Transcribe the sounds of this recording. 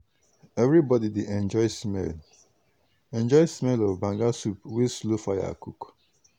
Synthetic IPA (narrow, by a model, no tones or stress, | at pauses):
ɛvɹibɔdideʔɛ̃nd͡ʒɔɪsmɛ̰l | ɛ̃nd͡ʒɔɪsmɛlɔvbãŋɡasupwislofaja̰kuk